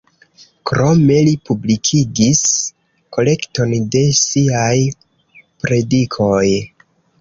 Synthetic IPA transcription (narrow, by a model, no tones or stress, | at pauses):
kɾo̞me̞lipublikʰiɡis | ko̞le̞kto̞nde̞siaj | pɾe̞dikʰo̞j